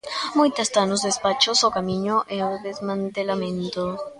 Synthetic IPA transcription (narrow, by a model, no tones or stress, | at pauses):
mujt̪ast̪anozðespat͡ʃosokamiɲoʔeoðezmãnt̪elamẽnt̪o